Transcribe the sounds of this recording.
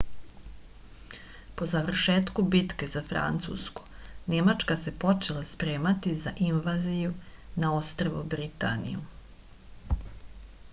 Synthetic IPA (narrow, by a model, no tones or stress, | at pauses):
po̞zaʋr̩ʃeːt̪kubit̪ke̞zafɾa̰nt̪sṵsko̥nemat͡ʂkasepo̞t͡ʃelˠaspɾeːmat̪izaʔinʋaːzijunao̞st̪ɾeʋṵbɾit̪a̰nḭju